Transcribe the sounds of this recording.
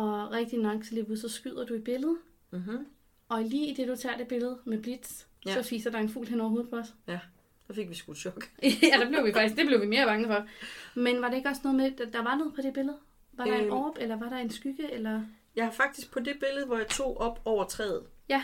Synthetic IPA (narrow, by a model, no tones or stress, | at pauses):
ɒ̽ʁɛɡ̥̚d̥inɒɡ̥sʰlebusɒ̽sɡ̥yð̰ˠɐd̥uib̥e̝ləð̞ˠ | ʔɒ̽iliːid̥e̝d̥ut͡sʰɑ̰̈ːd̥e̝b̥e̝ləð̞̩ˠmeb̥lid̥s | sɒ̽fiːsɐd̥ɑ̈e̝nfṵːlɦenɒʊɐɦo̝ːð̞̩ˠpʰɒ̽ɒs | d̥ɑfe̝ɡ̥ʋisɡ̥u̥ɕɒɡ̥jæd̥ɑb̥le̝ʊʋifɑ̈ɡ̥isɡ̥d̥e̝b̥le̝ʊʋime̝ːɐb̥ɑ̈ŋəfɒ̽menʋɑ̈ɾee̝ɡ̥ɒ̽snɔ̽ːð̩ˠme̥d̥ɑ̈ʋɑ̈noːð̩ˠpʰɒ̽ɾ̥e̝b̥e̝ləð̞ˠ | ʋɑ̈ɾ̥ɑ̈eɒːb̥elɐʋɑ̈ɾɑ̈e̝nsɡ̥yɡ̥əelɐ | jɑ̈hɑfɑ̈ɡ̥̚d̥isɡ̥̚pʰɒ̽de̝b̥e̝ləð̩ˠʋɒjɑ̈t͡sʰo̝̰ːɒ̽b̥ɒʊ̰ɐt͡sʰʁɛ̰ːð̩ˠjæ